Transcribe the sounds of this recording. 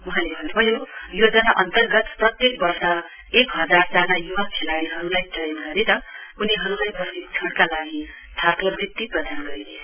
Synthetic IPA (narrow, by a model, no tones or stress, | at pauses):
uɦãlebʱʌnebʱʌjojod͡zʌnaʔʌnt̪ʌrɡʌt̪prʌt̪jekbʌrsʌ | ekɦʌd͡zard͡zanajuwakʰelaɽiɦʌɾulajtʌinʌɾit̪ʌuniɦʌɾulajbʌstit͡sʰʌɽkalaɡi | t̪ʰat̪obik̚t̪ːiprʌd̪anɡʌɾile